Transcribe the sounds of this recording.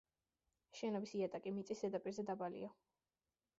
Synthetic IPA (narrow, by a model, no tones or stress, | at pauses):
ʃɛnɔbisiat̪ʼakʼimit̪sʼisɛd̪apʼiɾzɛd̪abalḭa